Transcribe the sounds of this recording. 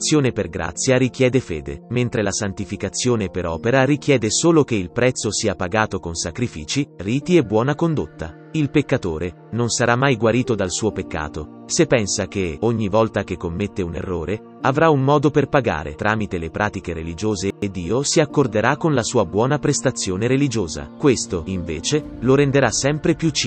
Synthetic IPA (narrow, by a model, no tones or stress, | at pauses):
sːjoːneperɡɾa̰t̪sːjaɾik̟jɛːd̪efḛːd̪ḛment̪ɾelasant̪ifikat̪sːjoːnepeɾɔːpeɾaɾik̟jɛːd̪esoːlokeilpɾɛt̪sːosiːapaɡaːt̪okonsakɾifiːt͡ʃiriːt̪iebːwɔːnakond̪ot̪ːa | ilpekːat̪oːɾe | nonsaɾamːajɡwaɾiːt̪od̪alsuːopekːa̰ːt̪o | sepːɛnsak̟eoɲːivɔlt̪ak̟ekːomːet̪ːeunḛrːo̰ːɾe | avɾaumːɔːd̪operpaɡa̰ːɾḛt̪ɾʔaːmit̪elepɾʔaːt̪ikeɾelid͡ʒoːzeːd̪ːiːosiakːord̪eɾakːonlasuːabwɔːnapɾest̪at̪sːjoːneɾelid͡ʒoːza̰kwest̪oiɱveːt͡ʃeloɾend̪eɾasɛmpɾepjut͡ʃː